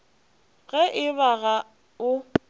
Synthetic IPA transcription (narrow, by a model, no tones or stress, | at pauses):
ɣɛʔɪβaɣa | ʊ